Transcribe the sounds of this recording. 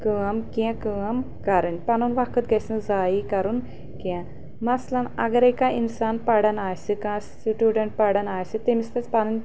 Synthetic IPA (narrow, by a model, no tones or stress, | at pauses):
kɨːɐmkiɛ̃kɨɐm | kɐɾɨnʲpɐnunʋɐkʰɨt̪̚ɡɐsnɨzaːikɐɾun | kɛ̃ | mɐslɐnɐ̰ɡɐɾekãʔinsaːnpɐɽɐnaːjsɨkãːs | iʈʲjuːɖɐɳʈ̚pɐɽɐnaːjsɨt̪imist̪ɐt͡spɐnɨnʲ